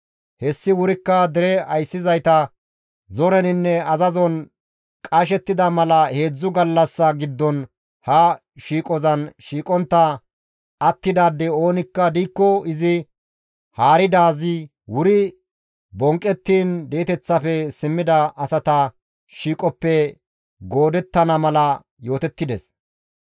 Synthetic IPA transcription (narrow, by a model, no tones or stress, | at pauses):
hɛsːɪwʊɾɪkːɐd̪ɛɾɛɐjsːɪzɐjt̪ɐ | zɔɾɛnɪnːɛɐzɐzɔn | kʼɐʃ̬ɛt̪ːɪd̪ɐmɐlɐhe̞ːd͡zːʊɡɐlːɐsːɐɡɪd̪ːɔn | hɐ | ʃiːkʼɔzɐnʃiːkʼɔnt̪ːɐ | ɐt̪ːɪd̪aːd̪ːɛo̞ːnɪkːɐd̪iːkːɔɪzɪ | haːɾɪd̪aːzɪ | wʊɾɪ | bɔŋkʼːɛt̪ːiːnd̪e̞ːt̪ɛt͡sːɐfɛsɪmːɪd̪ɐɐsɐt̪ɐ | ʃiːkʼɔpːɛ | ɡo̞ːd̪ɛt̪ːɐnɐmɐlɐ | jo̞ːt̪ɛt̪ːɪd̪ɛs